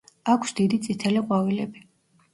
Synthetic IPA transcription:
akʰsd̪̥id̪it̪sʼit̪ʰɛliʁʼwavilɛbi

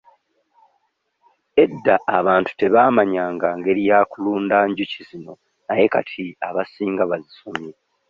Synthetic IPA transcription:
e̞dːaːβaːntu̥te̞βaːmaɲaːŋɡaːŋɡe̞ɾijaːkuluːndaːɲɟucizino̞ | naje̞ka̰tʰiaβasiːŋɡaβazisomi

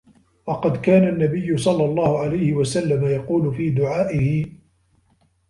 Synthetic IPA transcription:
wɑqɑd̪kaːnanːabɪjːʊsˤɑlːɑlˤːɑːhʊʕalajhɪwasalːamajɑquːlʊfiːd̪ʊʕaːʔɪhɪ

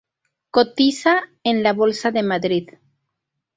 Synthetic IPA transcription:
kot̪isaenlaβolsaðemaðɾið

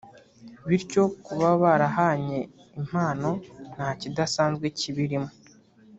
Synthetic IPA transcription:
βiɾco̞kuβaβaɾaɦaɲe̞ | im̥aːno̞n̥haːcidasaːnzɡweciβiɾimo

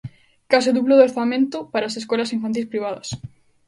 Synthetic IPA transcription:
kas̬eðuβloðeɾθamẽnt̪ʊpaɾaːseskɔlɐsiɱfant̪̬ilspɾiβ̞aðɐs

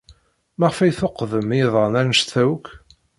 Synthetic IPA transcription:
mæʁfæjθoqːðəmiðˤɑnæɾnəʃt̪θæwk

